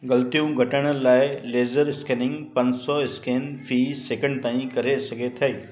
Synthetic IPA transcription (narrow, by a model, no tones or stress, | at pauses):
ɡɐlt̪ijũɡʱɐʈəɽ̃laːɪleːzəɾɪskeːnɪ̃ŋɡpɐ̃nsɔɪskeːnfʰiːseːkə̃ɳɖ̚t̪ãːĩkɐɾesɐɡʱet̪ʰɐeː